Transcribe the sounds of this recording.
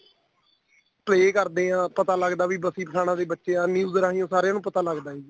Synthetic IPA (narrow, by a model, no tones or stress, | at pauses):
pleːkəɾd̪eːãːpət̪aːləɡd̪aːʋiːbəsiːpəʈʰaːñãːd̪eːbətːʃeːãːnjuːzɾaːɦijõːsaːɾejãːnũːpət̪aːləɡd̪aːiː